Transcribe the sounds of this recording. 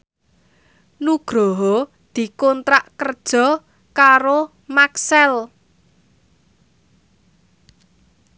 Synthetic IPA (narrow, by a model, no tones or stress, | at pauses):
nuɡ̥ɾɔɦɔ | d̪̥i̤kɔnt̪ɾaʔkərd̥ʒ̥ɔ̤ | kaɾo | maksɛl